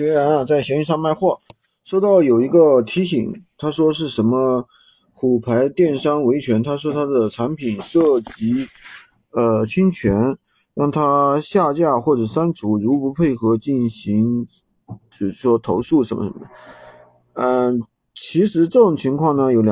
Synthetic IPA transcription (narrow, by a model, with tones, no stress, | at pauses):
ɕɥɛ˧˥ɻa˧˥na˧t͡sa˥˩ɪɕɛ˧˥ŋy˥˧nʂɑ˥˧ŋma˥˧ɪxwɔ˥˩ | ʂo˥˧ʊt̪ɑ˥˩ʊjo˨˩ʊi˧˥ɡə˧t̪ʰi˧˥ɕḭ˨˩˦ŋt̪ʰa˥ʂwɔ˥ʂ̬ɻ̩˥˩ʂə˧˥nmə˧ | xu˨˩pʰa˧˥ɪt̪jɛ˥˩nʂɑ˥ŋwe˧˥ɪt͡ɕʰɥɛ˧˥nt̪ʰa˥ʂ̬wɔ˥t̪ʰa˥d̪ə˨ʈ͡ʂʰa˧˥npʰi˨˩nʂɤ˥˩t͡ɕi˧˥ | ə˧t͡ɕʰy˥nt͡ɕʰɥɛ˧˥n | ɻɑ˥˩ŋt̪ʰa˥ɕja˥˧t͡ɕja˥˩xwɔ˥˩ʈ͡ʂɤ˨˩ʂa˥nt͡su˧˥ɻu˧˥pu˧˥pʰe˥˩ɪxɤ˧˥t͡ɕi˥˩nɕi˧˥ŋ | ʈ͡ʂ̩˥˩ʂ̩˥˩ʂwɔ˥t̪ʰo˧˥ʊʂu˥˩ʂə˧˥mə̰˧˩ʂə̰˧˥mə˦ə˩ | ə˥˧ | t͡ɕʰi˧˥ʂɻ̩˧˥ʈ͡ʂɤ˥˩ʈ͡ʂʊ˨˩ŋt͡ɕʰi˧˥ŋkʰwɑ˥˩ŋnə˩jo˨˧˥ljɑ˨